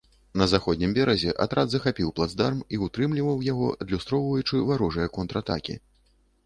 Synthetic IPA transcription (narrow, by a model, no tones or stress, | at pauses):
nɐzaxɔd̪nʲimbʲɛɾɐzʲɛʔa̰t̪ɾʔad̪zɐxapʲiwplˠad̪zd̪armiut̪ɾɨmlʲivɐwjaɣɔ̰ɐd̪lʲust̪ɾɔwvɐjut͡ʂɨvaɾɔʐɐjɐkɔnt̪ɾat̪a̰kʲḭ